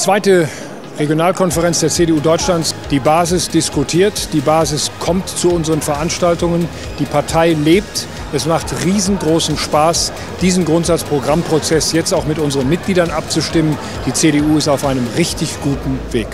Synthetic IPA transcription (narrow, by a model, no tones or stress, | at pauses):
t͡sv̥aɪtə | ʁeɡjonaːlkʰɔnfəʁɛnt͡sd̥eːɐt͡seːdeuːdɔʏt͡ʃlantd̥iːbaːzɪsd̥ɪskutʰiːɐtd̥iːbaːzɪskʰɔmtt͡suʊnzəʁənfɛɐʔanʃtaltʊŋən | d̥iːpʰaɐtʰaɪleːp̚t | ʔɛsmaχtʁiːzn̩ɡʁoːsn̩ʃpaːs | d̥iːzn̩ɡʁʊntz̥at͡spʁ̥oɡʁampʁ̥ot͡sɛsjɛt͡staʊxmɪtʔʊnzəʁənmɪt̚ɡ̥liːdɐnʔap̚t͡suʃtɪmən | d̥iːt͡seːɾeuːɪstaʊfʔaɪnəmʁɪçtɪçɡ̥uːtn̩veːk